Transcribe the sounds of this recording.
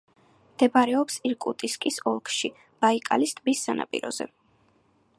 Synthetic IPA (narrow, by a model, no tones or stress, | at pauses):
md̪̥ɛbaɾɛɔpsiɾkʼut̪ʼiskʼisɔlˠkʰʃi | b̥aikʼa̰list̪ʼbisːanʔa̰pʼḭɾɔ̰zɛ̰